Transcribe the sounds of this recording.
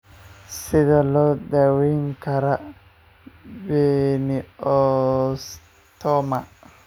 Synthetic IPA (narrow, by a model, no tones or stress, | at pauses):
sidalɔd̪ɛwiŋkaɾa | bɛniɔs | t̪ɔma